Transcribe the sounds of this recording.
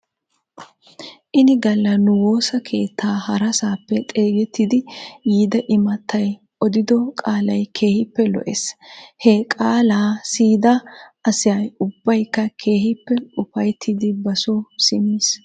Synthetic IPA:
ʔɪnɪɡɐlːɐnʊwo̞ːsɐkʰe̞ːt̪ʰːaːhɐɾɐsaːpːɛt̪ʼe̞ːɡɛt̪ːɪd̪ɪjiːd̪ɐʔɪmɐt̪ʰːɐj | ɔd̪ɪd̪ɔkʼaːlɐjkʰe̞ːhɪpːɛlɔ̰ʔeshɛkʼaːlaːsiːd̪ɐʔɐsɪjɐjʊbːɐjkːɐkʰe̞ːhɪpːɛʊfɐjt̪ʰːɪd̪ɪbɐsosɪmiːs

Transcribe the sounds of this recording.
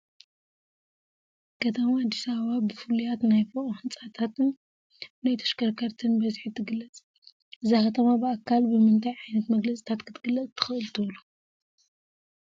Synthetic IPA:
kʰɐt̪ʰɐmaːd̪ːisaβɐβabɨfɨlijat̪najfoʔʼohɨnt͡sʼat̪ʰat̪ɨn | najt̪ʰɐ̥ʃkɐɾkʰɐɾt̪ʰɨnbɐzħit̪ʰɨɡɨlːɐt͡sʼ | ʔɨzixɐt̪ʰɐmabɨakʰːalbɨmɨnt̪ʰʼajʕajnɐt̪mɐɡlɐt͡sʼi̥t̪ʰat̪kʰɨt̪ʰɨɡɨlːɐt͡sʼt̪ʰɨ̥xɨʔɨlt̪ʰɨβlu

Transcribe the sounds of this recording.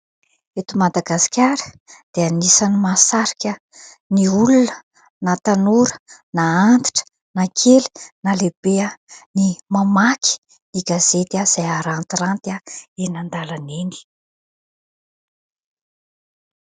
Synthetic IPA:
et̪umad̪aɡasi̥kʲaɾə̥ | d̪̥eanisanimasaɾikʲə | niulunə | nat̪anuɾə̥naant̪i̥ʈ͡ʂə̥ | nakʰeli̥nalebeənimamaki̥ | niɡaz̥et̪az̥ajaɾant̪irant̪aenand̪alaneni̥

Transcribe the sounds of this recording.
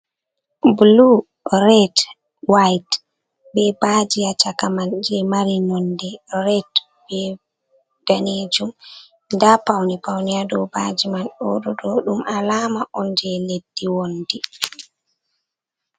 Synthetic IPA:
blu | ɾɛt | wajt | bɛbad͡ʒiat͡ʃakamand͡ʒɛmaɾinɔndɛɾɛt | bɛ | ɡ̥aneːd͡ʒum | ndapawnipawniadɔbad͡ʒimanɗɔɗɔɗɔɗumʔalaːmaʔɔnd͡ʒɛledːiwondi

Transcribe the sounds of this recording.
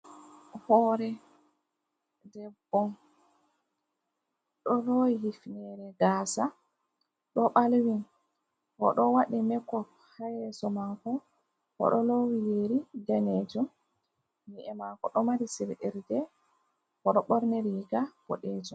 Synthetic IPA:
hɔːɾɛ | dɛbːɔn | ɗɔlɔhifnɛɾɛɡaːsa | ɗɔɓalwin | hɔ̰ɗɔwaɗimɛkːɔ | hajɛsɔmaŋkɔ | kɔ̰ɗɔlowijeɾid͡ʒanɛd͡ʒɔm | niʔɛmakɔɗɔmaɾisiɾʔiɾdɛ | kɔɗɔɓɔɾnɛɾiːɡab̥ɔ̰ɗɛd͡ʒɔm

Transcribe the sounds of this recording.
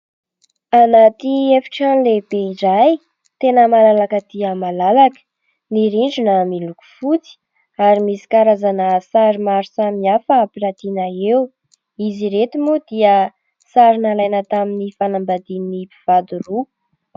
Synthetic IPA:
anat̪iefi̥ʈ͡ʂanleb̥eiɖ͡ʐaj | t̪enəmalalakəd̪̥iəmalalakə̥ | niɾiɳɖ͡ʐunəmiluku̥fut͡si̥ | aɾimisi̥kaɾazanəsaɾimaɾusamiafəːpiɾat̪inəew | iziɾet̪imud̪̥iə | saɾinalajnət̪aminifanambad̪ininipi̥v̥ad̪uɾu

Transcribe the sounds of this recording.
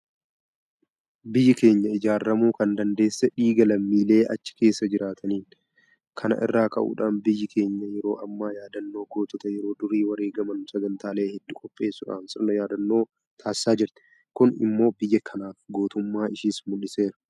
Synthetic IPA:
bɪjːɪke̞ːɲːɐɪd͡ʒaːrːɐmuːkɐnd̪ɐnd̪e̞ːsːɛᶑiːɡɐlɐmːiːle̞ːʔɐt͡ʃːɪ̥ke̞ːsːɐd͡ʒɪɾaːt̪ʰɐniːn | kʰɐnɐ̰ʔɪ̰rːaːkɐ̰ʔṵːᶑaːnbɪjːɪkʰe̞ːɲːɐjɛɾo̞ːʔɐmːaːjaːd̪ɐnːo̞ːɡo̞ːt̪ʊt̪ɐjɛɾo̞ːd̪ʊɾiːwɐɾeːɡɐmɐnsɐɡɐnt̪aːle̞ːhɛd̪ːʊkʼɔpʼːe̞ːsːʊᶑa̰ːnsɪnɔjaːd̪ɐnːo̞ː | t̪ʰaːsɪ̥saːd͡ʒɪɾt̪ɛ̥ | kʊnɪ̰mːo̞ːbɪjːɐkʰɐnaːfɡoːt̪ʊmːaːɪʃiːsmʊlːɪse̞ːɾɐ̥

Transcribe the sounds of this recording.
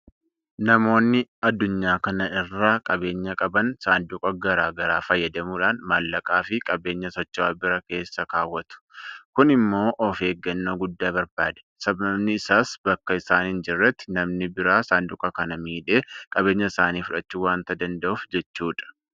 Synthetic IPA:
nɐmo̞ːnːɪɐd̪ːʊɲːaːkɐnɐʔɪrːaːkʼɐbe̞ːɲːɐkʼɐbɐnsaːnd̪ʊkʼɐɡɐɾaːɡɐɾaːfɐjːɐd̪ɐmuːᶑaːnmaːlːɐkʼaːfɪkʼɐbe̞ːɲːɐsɔt͡ʃːaːbɪɾɐke̞ːsːɐkaːwːɐt̪ʊ̥kʊnɪmːo̞ːʔɔfe̞ːɡːɐnːoːɡʊd̪ːaːbɐɾbaːd̪ɛ̥ | sɐbɐbnɪːsaːsbɐkːɐɪsaːnhɪnd͡ʒɪrːɛt̪ːɪnɐmnɪbɪɾaːsaːnd̪ʊkʼɐkɐnɐmiːᶑe̞ːkʼɐbe̞ːɲːɐɪsaːniːfʊᶑɐt͡ʃːuːwaːnt̪ɐd̪ɐnd̪ɐʔʊfd͡ʒɛt͡ʃːuːᶑɐ̥

